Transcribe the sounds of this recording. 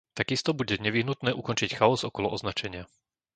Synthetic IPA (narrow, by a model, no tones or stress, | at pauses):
t̪aɡist̪ɔbuɟɛɲɛʋiɦnut̪nɛːʔukɔnt͡ʃicxaɔzɔkɔlɔʔɔznat͡ʃɛɲɪa